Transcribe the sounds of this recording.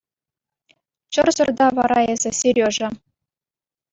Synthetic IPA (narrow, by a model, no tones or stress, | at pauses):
t͡ɕɤ̆rzɤ̆rd̪ɑʋɑɾɑezʲɘ̆sʲerʲoʐɘ̆